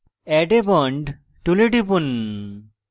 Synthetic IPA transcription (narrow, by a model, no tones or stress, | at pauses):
ɛʈebɔɳɖ | ʈuleʈipun